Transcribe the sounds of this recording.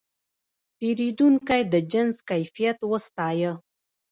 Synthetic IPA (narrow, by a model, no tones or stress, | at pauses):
peɾid̪uŋkajd̪əd͡ʒɪnzkajfijat̪wəst̪ɑjə